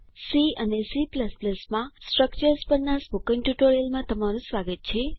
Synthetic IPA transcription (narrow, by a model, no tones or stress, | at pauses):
siənesipləspləsmãsʈɾək̚t͡ʃəɾspəɾnasbukə̃ŋʈuʈoɾijəlmãt̪əmaɾũsʋaɡət̪̚t͡ʃʰe